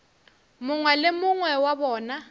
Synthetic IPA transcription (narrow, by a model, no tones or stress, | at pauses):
mʊŋwɛlɪmʊŋwɛwabɔːna